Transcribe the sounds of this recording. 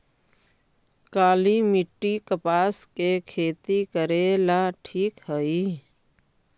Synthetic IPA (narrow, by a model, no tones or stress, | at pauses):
kaːlimɪʈːikəpaːskekʰeːt̪ikəɾeːlaʈʰiːkhəi